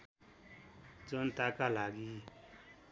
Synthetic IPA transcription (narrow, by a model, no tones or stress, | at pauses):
d͡zont̪akalaɡi